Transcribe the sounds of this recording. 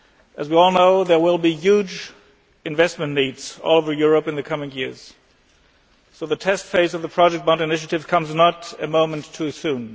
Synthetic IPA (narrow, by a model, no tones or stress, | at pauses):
ʔɨzwiɔlˠnoʊðə˞wɪlˠbijʉd͡ʒ | ɨ̃ɱvɛst̚mɨ̃nnidz̥ɔ̰lˠoʊvə˞jʊɹəpɨ̃nðɨkʰʌmɪ̃ŋjɪɹz̥ | soʊðɨtʰɛstfeɪsʌvðəpʰɹ̥ɑd͡ʒɛk̚bãʊ̃nɨnɪʃ̬ɨɾɨv̥kʰʌ̃mznəɾɨmõʊ̃mɨ̃ntʰusũn